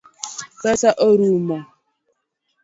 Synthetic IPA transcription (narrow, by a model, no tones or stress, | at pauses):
pɛsaʔoɾuma